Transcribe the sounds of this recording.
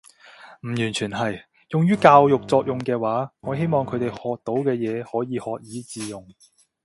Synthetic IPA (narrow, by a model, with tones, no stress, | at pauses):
m̩˨˩jyː˨˩nt͡ʃʰyː˨˩nɦɐ˨j | jʊ˨ŋjyː˥kaː˧wjʊ˨k̚t͡sɔː˧k̚jʊ˨˩ŋkɛː˧waː˨˥ŋɔː˨˧ɦe˥jmɔː˨ŋkʰɵ˨˧t̪e˨jhɔː˨k̚t̪o˨˥wkɛː˧jɛː˨˧hɔː˨˥jiː˨˧hɔː˨k̚jiː˨˥t͡siː˧jʊ˨ŋ